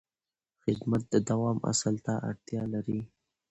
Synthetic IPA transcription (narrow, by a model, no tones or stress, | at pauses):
xɪd̪mat̪̚d̪əd̪awɑma̰salt̪aʔa̰ɽt̪jɑlaɾi